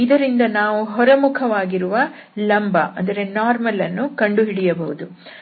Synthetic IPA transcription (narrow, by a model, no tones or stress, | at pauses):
id̪ɐɾind̪ɐnaːʋuɦɔɾɐmukʰɐʋaːɡiɾuʋɐ | lɐmbɐʔɐnd̪ɐɾe̞naːɾmɐlɐnːukɐɳɖuɦiɽijɐbɐɦud̪u